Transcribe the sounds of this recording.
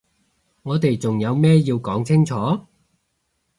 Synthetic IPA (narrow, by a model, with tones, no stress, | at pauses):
ŋɔː˨˧t̪e˨jt͡sʊ˨˩ŋjɐ˨˧wmɛː˥jiː˧wkɔː˨˥ŋt͡sʰɪ˥ŋt͡sʰɔː˨˥